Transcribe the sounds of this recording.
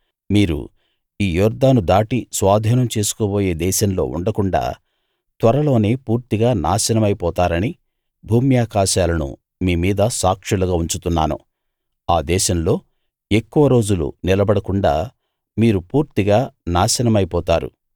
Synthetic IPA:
miːɾṵ | iːjɔːɾd̪aːnud̪aːʈisʋaːd̪ʱiːnɐmt͡ʃeːsu̥koːboːje̞ːd̪ɛːʃɐmlo̞̰ːṵɳɖɐkuɳɖa̰ː | t̪ʋɐɾɐlo̞ːne̞ːpuːɾt̪iɡaːna̰ːʃɐnɐmɐjipɔːt̪aːɾɐni | bʱuːmjaːkaːʃaːlɐnṵ | miːmiːd̪ɐsaːkʂɐluɡaːuɲt͡ʃut̪unːa̰ːnṵ | aːd̪ɛːʃɐmlo̞ː | e̞kːuʋɐɾo̞ːd͡ʒulṵnilɐbɐɽɐkuɳɖa̰ː | miːɾupuːɾt̪iɡaːnaːʃɐnɐmɐjipɔːt̪aːɾṵ

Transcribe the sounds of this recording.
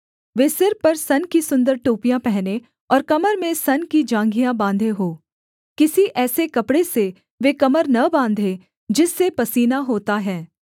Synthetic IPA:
ʋeːsɪɾpɐɾsɐnkisʊ̃nd̪əɾʈoːpijãpɛɦne | ɔːɾkɐməɾmẽsɐnkid͡ʒãːŋɡijãbãːnd̪ʱeɦoː | kɪsiʔɛːsekɐpɽese | ʋeːkɐməɾnɐbãːnd̪ʱẽ | d͡ʒɪsːepɐsiːnaɦoːt̪aɦɛː

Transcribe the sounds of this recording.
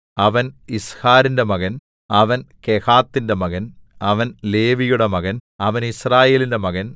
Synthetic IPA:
ɐʋɐnishaːɾinde̞mɐɣɐn | ɐʋɐnkehaːt̪ːindemɐɣɐnɐʋɐnle̞ːʋijuɽemɐɣɐnɐʋɐnisraːje̞ːlinde̞mɐɣɐn

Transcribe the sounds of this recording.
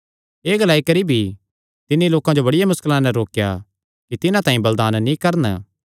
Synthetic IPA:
eːɡɐlaːikɐɾibʱi | t̪ɪniloːkãd͡ʒobɐɽɪjamʊskəlãnɛɾoːkja̰ | kit̪ɪnãt̪aːĩbɐld̪aːnnĩkɐɾn̰

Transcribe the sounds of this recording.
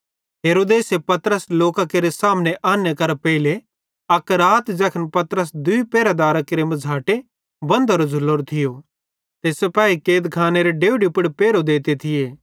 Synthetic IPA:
ɦeːɾoːd̪eːsepɐt̪ɾəsloːkakeɾesaːmneʔaːnjekɐɾpɛɪle | ɐkɾaːt̪d͡ʒɐkʰənpɐt̪ɾəs̬d̪ʊipeːɾad̪aːɾakeɾemɐd͡zʱaːʈe | bɐ̃nd̪ɐɾozʱʊlːoːɾt̪ʰɪjo | t̪eːsepaːikeːd̪kʰaːneɾeɖeːʊɖipɪɽpeːɾod̪eːt̪et̪ʰɪjeː

